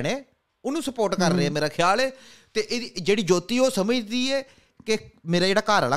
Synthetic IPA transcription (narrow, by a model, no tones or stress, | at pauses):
ɽeː | ʊnũːsəpoːɾʈkəɾːeːɛːmeːɾaːkʰɪjaːlɛːt̪eːʔeid͡ʒeːɽiːd͡ʒoːt̪iːoːsəməd͡ʒd̪iːɛː | kemeːɾaːd͡ʒeːɽaːkaːɾəla